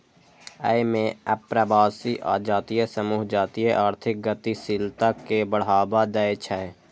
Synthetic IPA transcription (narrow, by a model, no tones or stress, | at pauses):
əemẽəpɾəbaːsiʔa̰ːd͡ʒaːt̪ijesəmuːɦd͡ʒaːt̪ijeʔaːɾt̪ʰɪk̚ɡət̪isɪlt̪akebəɽ̤aːbad̪əet͡ʃʰɛɛ